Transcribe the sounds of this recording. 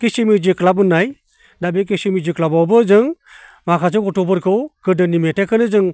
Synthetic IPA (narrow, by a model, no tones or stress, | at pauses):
kisimid͡ʒɯklabɯnːaj | dabek̬isimid͡ʒɯklabawbɯzɯŋ | makʰasɯkɔtɔbɯɾkʰɯwkɯdɯnimetekʰɯnɯzɯŋ